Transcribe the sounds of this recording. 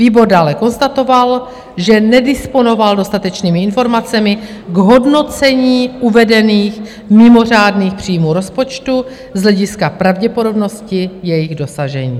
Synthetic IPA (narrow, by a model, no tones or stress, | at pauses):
viːbo̞ɾdaːlɛko̞nst̪at̪o̞val | ʒɛnɛdɪspo̞no̞valdo̞st̪at̪ɛt͡ʃniːmɪɪnfo̞ɾmat͡sɛmɪ | ɡɦo̞dno̞t͡sɛɲiːʔuvɛdɛniːx | mɪmo̞r̝aːdniːxpr̝̥iːmuːɾo̞spo̞t͡ʃt̪u | zɦlɛɟɪskapɾavɟɛpo̞do̞bno̞scɪjɛjɪɣdo̞saʒɛɲḭː